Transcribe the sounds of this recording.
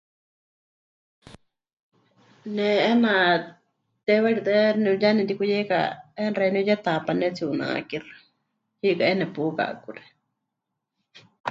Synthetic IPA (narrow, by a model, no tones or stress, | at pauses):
nɛɛna | t̪ɛβaɾit̪ɛnɛjanɛd̪ikujɛka̰ɛnrenijɛt̪apanɛt͡siunã̰kirḁ | hikaʔɛnɛpuka̰kuɾɛ̥